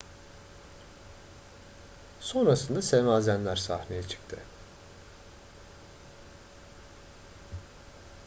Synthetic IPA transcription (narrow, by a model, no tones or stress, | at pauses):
so̞nɾasɯnd̪asemaːzænlʲæɾsahnejɛt͡ʃʰɯ̥kt̪ʰɪ